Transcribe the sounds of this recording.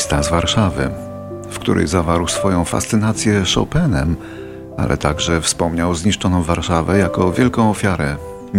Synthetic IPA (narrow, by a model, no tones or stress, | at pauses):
st̪azvaɾʂavɘ̰ | fkt̪ṵɾʔɛ̰jzavaɾwsfɔjɔ̃w̃fa̰st̪sɘnat̪sʲjɛʂɔ̰wpɛnɛ̰m | a̰lʔɛ̰t̪aɡʐɛfspɔmɲawzɲiʂt͡ʂɔnɔ̃w̃vaɾʂavɛjakɔvʲjɛlkɔ̃w̃ɔfʲjaɾɛ